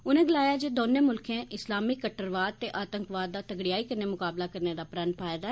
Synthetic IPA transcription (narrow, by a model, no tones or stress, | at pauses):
ʊnẽːɡɪlaːjaːd͡ʒeːd̪oːnẽːmʊlkʰẽːʔɪslaːmiːkəʈːəɾʋaːd̪̚t̪eːʔaːt̪əŋkʋaːd̪̚ːaːt̪əɡɽɪjaːiːkəɾneːmʊkaːblaːkəɾneːd̪aːpɾənpʰaːɪd̪aːɛ